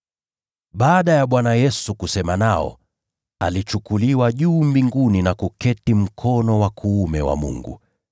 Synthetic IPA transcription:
ɓaːɗajaɓwanajɛsukusɛmanaɔ̰ | a̰lit͡ʃukuliwaʄuːmbiŋɡuninakukɛtim̩kʰɔnɔwakʰuːmɛwa̰mṵŋɡṵ

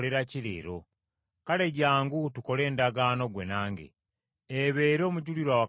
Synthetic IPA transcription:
le̞ɾaciɾḛːɾo̞̰ | kale̞ɟaːŋɡutuko̞le̞ːndaɡaːno̞ɡwe̞naːŋɡḛ | eβeːɾo̞ːmuɟuliɾwawa

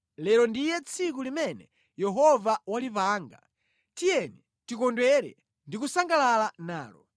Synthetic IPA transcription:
lɛɾɔndijɛt͡sʰikulimɛnɛ̰ | jɛɦɔvawalipaːŋɡa̰ | tijɛni | tikɔndwɛɾɛ̰ | ndikusaŋɡalalana̰ːlɔ̰

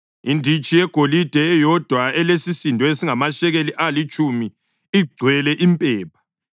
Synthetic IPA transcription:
indʱit͡ʃʼijɛɡ̥ʱolid̥ʱɛɛjɔd̥ʱwaɛlesisindʱɔesiŋamaʃɛɣeliʔalit͡ʃʼumi | iɡ͡ǀʱwɛlɛʔimpʼɛːpʰḁ

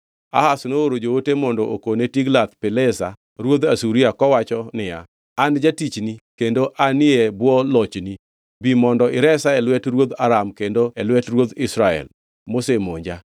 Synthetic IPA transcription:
a̰hasnooɾod͡ʒowotemɔndoʔokonetiɡlat̪̚pɪlɛsa̰ | ɾwod̪asuɾiakɔwat͡ʃɔnɪja̰ | and͡ʒatit͡ʃnikendoʔʔanɪebwɔlɔt͡ʃni | bimɔndɔʔɪɾɛsaɛlwɛtɾwod̪aɾamkendoɛlwɛtɾwod̪ɪsɾaɛ̰l | mosemoɲd͡ʒa

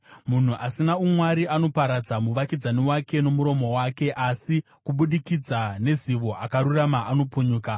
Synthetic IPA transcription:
mun̤uʔasinaumwaɾiʔano̞paɾad͡zamuʋakid͡zaniwake̞no̞muɾo̞mo̞wake̞ʔasi | kuɓuɗikid͡zane̞ziʋo̞ʔakaɾuramaʔano̞puɲuːka

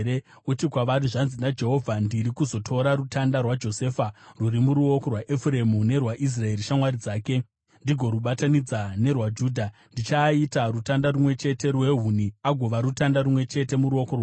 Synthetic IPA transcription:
e | utikwaʋaɾiʐanzinad͡ʒe̞ɦo̞vʱandiɾikuzo̞tʰo̞ɾaɾutʰandarwad͡ʒo̞se̞ːfaruɾimuɾuo̞korwaʔefure̞mune̞rwaʔis̬rae̞ɾiʃamwaɾid͡zaːke̞ | ndiɡʱo̞ɾuɓatanid͡zane̞rwad͡ʒuːdʱandit͡ʃaitarutandarumwe̞t͡ʃe̞te̞rwe̞ɦuniaɡʱo̞ʋaɾutandaɾumwe̞t͡ʃe̞te̞muɾuo̞korwa

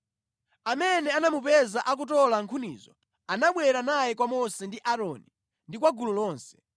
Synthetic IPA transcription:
amɛnɛanamupɛzaʔak̬ut̬ɔlaŋkʰunḭːzɔ | anaɓwɛɾanajɛk̬wamɔsɛndiʔaɾɔni | ndikwaɡululɔːnsɛ̥

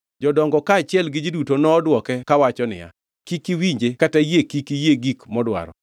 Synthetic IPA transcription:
d͡ʒɔdɔŋɡɔkaːt͡ʃɪɛlɡɪd͡ʒidutonɔːdwɔkɛkawat͡ʃɔnɪ̰ja̰ | kikiwiɲd͡ʒekatajekikijeɡikmɔdwa̰ɾɔ̰

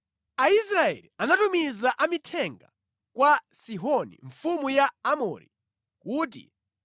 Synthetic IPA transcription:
ais̬ɾaɛ̰lianatumizaʔamitʰɛŋɡa̰ | kwasiɦɔnḭɱfumujaːmɔ̰ɾḭ | kuːt̬ḭ

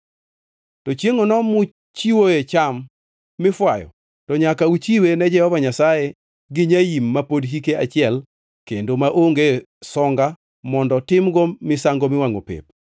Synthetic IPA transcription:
tɔt͡ʃjeŋonɔmʊ | t͡ʃiwoet͡ʃamː | ɪfwajɔ̰ | tɔɲakaut͡ʃiwenɛd͡ʒɛhɔvaɲasaje | ɡɪɲajimːapodɦikeat͡ʃɪɛl | kendomaʔoŋɡe | sɔŋɡa | mɔndɔtɪmɡomɪsaŋɡomɪwaŋo̰pḛp̚

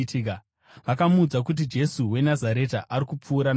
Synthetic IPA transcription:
tika | ʋakamuːd͡zakut̬id͡ʒe̞suwe̞nazaɾe̞taʔaɾikup͡fuːɾan

